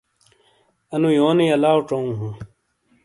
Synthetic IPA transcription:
ɐnũjoːniɐlaːwʈ͡ʂoũːɦũ

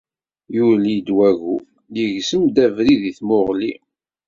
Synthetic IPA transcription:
juɾlid̪wæɣu | jəʝsəmd̪ævɾiðiθmʊʁlḭ

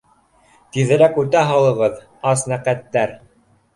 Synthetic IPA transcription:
t̪iðɘ̆ɾækʉt̪æɦɑlˠɤ̆ʁɤð | ɑsnæqæt̪ːæɾ

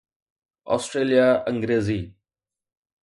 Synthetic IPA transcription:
ɔ̰ːsʈɾeːlijaɐ̃ŋɡɾeːziː

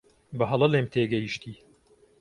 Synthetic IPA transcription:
bɨɦɐlˠɐleːmt̪ʰeːɡɛjiʃt̪ʰiː

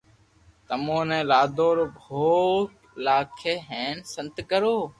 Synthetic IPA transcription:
t̪əmõːnɛ̃ːlaːd̪ʱoːɾoːbʱoːk | laːkʰeːɦẽːnsə̃nt̪kəɾoː

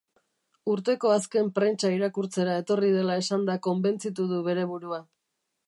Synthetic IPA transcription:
uɾt̪e̞ko̞aske̞mpɾe̞nt͡ʃaiɾakuɾt͡se̞ɾae̞t̪o̞riðe̞lae̞sand̪ako̞mbe̞nt͡sit̪̬uð̞uβe̞ɾe̞β̞uɾua

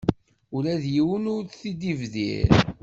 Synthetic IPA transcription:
ʊɾæðjiwənʊɾθid̪ivðḭɾ

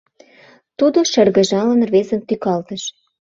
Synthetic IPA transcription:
t̪ud̪oʃə̆rɣə̆ʒɑlə̆nrβezə̆nt̪ykɑlt̪ə̆ʃ

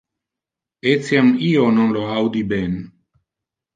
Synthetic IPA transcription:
et͡siamiononloawd̪iben

